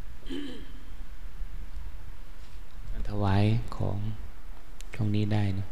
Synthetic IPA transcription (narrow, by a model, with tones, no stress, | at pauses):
kaː˧˩nt̪ʰa˧waː˧˥˨jkʰɔ̰ː˩˦ŋ | t͡ɕʰu˥˩əŋniː˦˥˩daː˥˩jnɔ˧˩